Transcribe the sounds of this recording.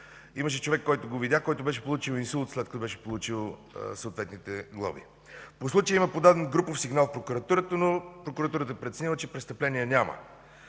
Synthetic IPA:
iməʃ̬ɛt͡ʃovɛkːɔjt̪oɡovid̪ʲakɔjt̪obɛʃɛ̥polˠut͡ʃilinsulˠt̪slɛt̪kət̪ɔbɛʃɛ̥polˠut͡ʃilˠ | səot̪vɛt̪nit̪ɛɡlˠə̰bḭ | poslˠut͡ʃijəiməpod̪ad̪ɛnɡɾupofsiɡnalˠfpɾokuɾɐt̪uɾət̪ənopɾokuɾɐt̪uɾət̪əpɾɛt̪sɛnilˠət͡ʃɛpɾɛst̪əplɛnijɛnʲamə̰

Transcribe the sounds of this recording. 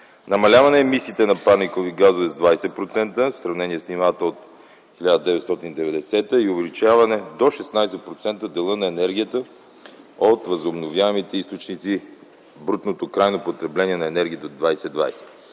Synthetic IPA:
nɐmɐlʲavɐnɛːmisiːt̪ɛnɐpaɾnikoviɡazovɛzd̪vajsɛpɾot̪sɛnt̪əfsɾɐvnɛniɛsnimat̪əot̪ | xilʲad̪əd̪ɛvɛt̪st̪ɔt̪inid̪ɛvɛd̪ɛsɛt̪əiovɛlit͡ʃavɐnɛd̪oʃɛsnajsɛpɾot̪sɛnt̪əd̪ɛlˠənɐɛnɛɾɡʲijət̪ə | ot̪vɐzobnovjaɛmit̪ɛist̪ot͡ʃnit̪si | bɾut̪not̪okɾajnopot̪ɾɛblɛnʲiɛnɐɛnɛɾɡʲiət̪ɛod̪vajsɛd̪va̰jsɛ̥

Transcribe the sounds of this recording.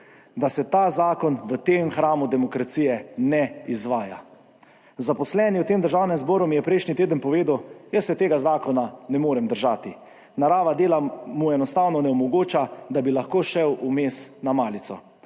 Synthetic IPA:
d̪asɛt̪aːzaːkɔnʋət̪eːmxɾaːmud̪ɛmɔkɾat̪siːjɛnɛizʋaːja̰ | zapɔslɛniwt̪eːmd̪əɾʒaːwnɛmzbɔːɾumijɛpɾɛjʃnit̪eːd̪ənpɔʋeːd̪əwjəsːɛt̪eːɡazaːkɔnanɛmoːɾɛmd̪əɾʒaːt̪i | naɾaːʋad̪eːlamuɛnɔst̪aːwnɔnɛɔmɔɡoːt͡ʃad̪abilaxkoːʃɛwʔumeːsnamaːlit̪sɔ

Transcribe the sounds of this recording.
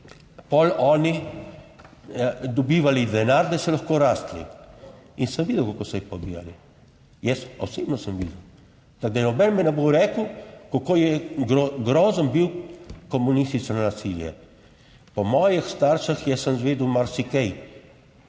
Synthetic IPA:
pɔlɔːni | d̪ɔbiːʋalid̪ɛnaɾd̪asɛlaxkoːɾast̪lḭ | insəmʋid̪əwkakoːsɔjɛpɔbḭja̰li | jɛsɔ̰seːbnɔsəmʋḭd̪ɛw | t̪aɡ̚d̪anɔbɛnmɛnɛbowɾɛːkəwkokojɛɡɾɡɾɔːzənbiwkɔmunist̪isannasiljɛ̰ | pɔmɔːjixst̪aɾʃaxjɛsəmzʋeːd̪umaɾsikɛj

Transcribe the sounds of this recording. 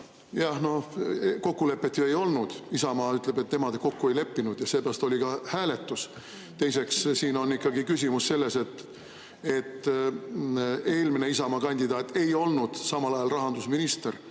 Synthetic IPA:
jɑhno̞hko̞kːule̞pːˑe̞t̪ːjue̞jo̞lnud̪̥isɑmɑːyt̪ˑle̞be̞t̪ːe̞mɑd̪eko̞kːue̞jle̞pːinud̪̥jɑseːpærɑst̪o̞lʲikɑhæːle̞t̪ːˑus | t̪e̞jse̞kssiːno̞nːikːɑɡikys̬ʲimusːe̞lːe̞se̞t̪ | e̞t̪ː | e̞ːlmine̞isɑmɑːkɑnʲd̪id̪̥ɑːt̪ːˑe̞jo̞lnud̪̥sɑmɑlɑjɑlrɑɦɑnd̪usminist̪er

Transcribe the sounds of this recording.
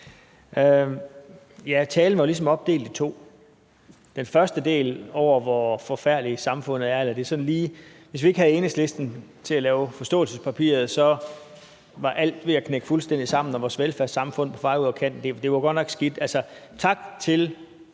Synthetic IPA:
ʔø | jæt͡sʰɛːln̩ʋɑlis̬ɒ̽mɒ̽b̥̚d̥e̝̰ːld̥it͡sʰo̝̰ː | d̥enfɶɐsd̥əd̥e̝̰ːlɒʊ̰ɐʋɒfɒ̽fæɐ̰lisɑ̈mfɔ̽n̰ð̩ˠæɐelɐd̥e̝sɒ̽n̩liːʋe̝s̬ʋie̝ɡ̥hæð̩ˠe̝ːnəsle̝sd̥n̩t͡sʰe̝lælɛːʊfɒ̽sd̥ɔ̰̽ːl̩səspʰæpʰḭːɐð̞̩ˠsɒ̽ | ʋɑ̈ʔæl̰d̥ʋe̝ækʰneɡ̥fulsd̥en̰d̥isɑ̈m̰n̩ɒʋɒːsʋelfæɐdsɑ̈mfɔ̽n̰pʰɒ̽fɑ̈ɪuð̰ˠɐkʰæn̰d̥e̝d̥e̝ʋɑɡ̥ɒ̽d̥nɒ̽ɡ̥sɡ̥id̥ælsɒt͡sʰɑ̈ɡ̥t͡sʰe̝l

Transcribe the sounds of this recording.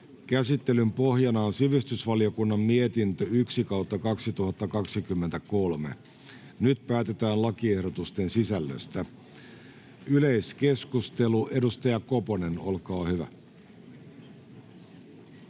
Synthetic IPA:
kæsit̪ːe̞lympo̞hjɑnɑonsiʋist̪ysʋɑlio̞kunːɑmmie̞t̪int̪øyksikɑwt̪ːɑkɑksit̪uhɑt̪ːɑkɑksikymːent̪æko̞lme̞̰ | nyt̪̚pæːt̪e̞t̪æːnlɑkie̞hɾo̞t̪ust̪e̞nsisælːø̰st̪æ | yle̞jske̞skust̪eluʔe̞dust̪ɑjɑko̞pone̞no̞lkɑːhyʋæ̰

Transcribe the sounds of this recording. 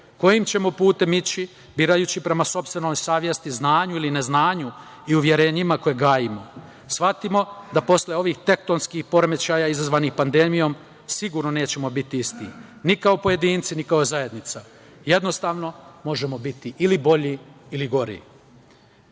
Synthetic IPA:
ko̞jimt͡ɕe̞mo̞puːt̪e̞mit͡ɕi | biːɾajut͡ɕipɾe̞maso̞pst̪ʋe̞no̞jsaːʋje̞st̪iznaːɲuiline̞znaːɲu | iuʋje̞ɾe̞ːɲimako̞jeɡaːjimo̞ | sʋat̪imo̞d̪apo̞sleo̞ʋixt̪e̞k̚t̪o̞nskixpo̞ɾemet͡ɕajaizazʋaːnixpand̪e̞mijo̞m | siɡuːɾnoneːt͡ɕe̞mo̞bit̪iist̪ḭ | nikaopo̞je̞d̪iːnt̪sinikao̞zaje̞d̪nit̪sa | je̞d̪no̞st̪aːʋno̞mo̞ʒe̞mo̞bit̪iʔilibo̞ʎiiliɡo̞ɾḭ

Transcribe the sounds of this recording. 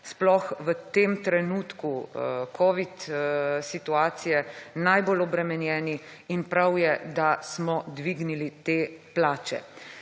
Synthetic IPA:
splɔxʋət̪eːmt̪ɾɛnuːt̪kukʰɔːʋit̪sit̪uaːt̪sijɛnajbolɔbɾɛmɛnjɛːni | inpɾawjɛd̪asmɔd̪ʋiɡnilit̪eːplaːt͡ʃɛ̰

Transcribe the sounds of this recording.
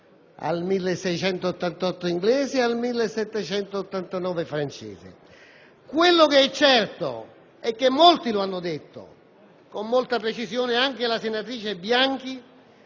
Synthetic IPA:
a̰lmilːesːɛjt͡ʃɛnt̪oːt̪ːant̪ɔt̪ːʊiŋɡlɛːzɪalmilːesːɛt̪ːɛt͡ʃɛnt̪oːt̪ːant̪anɔːvefɾant͡ʃḛːzɪ̰ | kwelːokeɛt͡ʃːɛrt̪o̰ | ɛk̟ːemːolt̪iloanːʊd̪et̪ːo̰ | komːolt̪apɾet͡ʃisjɔːnɪaŋk̟elasenːat̪ɾiːt͡ʃebːjaŋk̟i

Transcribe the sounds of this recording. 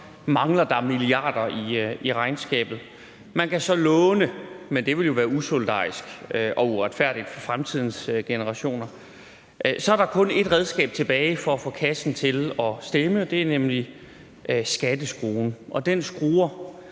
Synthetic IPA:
mɑ̈ŋlɐd̥ɑ̈miliɑ̰̈ːd̥ɐiiʁɑ̈ɪnsɡ̥ɛ̰ːb̥ð̩ˠ | mænkʰæsɒ̽lɔːnəmend̥e̝ʋe̝ljo̝ʋæːɐusold̥ɑ̰̈ːisɡ̥øʔɒ̽uʁad̥fæɐ̰d̥id̥fɒ̽fʁamt͡sʰið̰ˠn̩sɡ̥enəʁɑ̈ɕo̝̰ːnɐ | ʔsɒ̽æɐɾɑ̈kʰɔ̽ne̝d̥ʁɛð̞ˠsɡ̥ɛ̰ːb̥̚t͡sʰe̝b̥ɛːɪfɒ̽æfɔ̰̽ːkʰæsn̩t͡sʰe̝lɒ̽sd̥eməd̥e̝æɐnemli | ʔøsɡ̥æd̥əsɡ̥ʁoːnʔɒ̽d̥ensɡ̥ʁuːɐ

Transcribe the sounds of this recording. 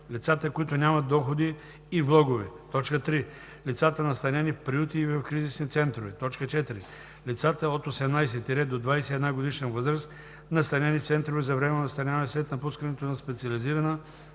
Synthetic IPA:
lit̪sat̪əkoit̪ʊnʲamɐt̪ːɔxod̪iː | vblˠɔɡovɛt̪ɔt͡ʃkət̪ɾi | lit̪sat̪ənɐst̪ɐnʲɛnifpɾiut̪iːvɐfkɾizisnit̪sɛnt̪ɾovɛt̪ɔt͡ʃkət͡ʃɛt̪iɾi | lit̪sat̪əot̪osɛmnajs̬ɛt̪iɾɛd̪d̪od̪vajsɛiːd̪naɡod̪iʃnɛvɤzɾəs | nɐst̪ɐnʲɛnift̪sɛnt̪ɾovɛzɐvɾɛmɛnɐst̪ɐnʲanɛslɛt̪nɐpuskənɛt̪onɐspɛt̪siɐliziɾɐnə

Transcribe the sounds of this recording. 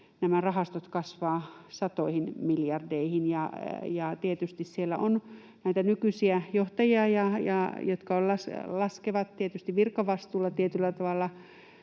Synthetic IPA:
næmærɑhɑst̪ot̪kɑsʋɑːsɑt̪oihinmiljɑrdeihinjɑjɑt̪iet̪yst̪issielːæ̰ʔon | næit̪ænykysiæjoht̪ɑjiɑjɑjɑ̰jot̪kɑollɑslɑskeʋɑt̪t̪iet̪yst̪iʋʋirkɑʋɑst̪uːlːɑt̪iet̪ylːæt̪ɑʋɑlːɑ

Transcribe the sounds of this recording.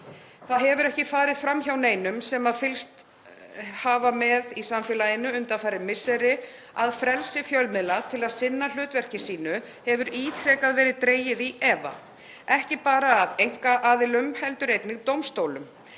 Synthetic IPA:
θaðɦɛvʏɾɛhcɪfaːɾɪð̥fɾamçawneːjnʏmsɛmaðfɪlst̪ | haːvamɛðisamfɛːlajɪnːʏʏnt̪afaːɾɪmɪsːɛɾɪ | aðfɾɛlsɪfjœlmɪðlat̪ʰɪlaðsɪnːal̥ʏːt̪vɛr̥cɪsiːnʏ | hɛvʏɾiːt̪ʰɾɛːkaðvɛːɾɪðt̪ɾeːjɪðiɛːva̰ | ɛhcɪpaːɾaːðejŋ̥kaʔaːðɪlʏmhɛlt̪ʏɾejt̪nɪɣt̪owmst̪oːwlʏm

